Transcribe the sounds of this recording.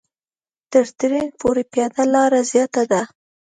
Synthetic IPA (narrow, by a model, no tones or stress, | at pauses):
t̪əɾt̪ɾenpoɾepjɑd̪alɑɾazjɑt̪ad̪a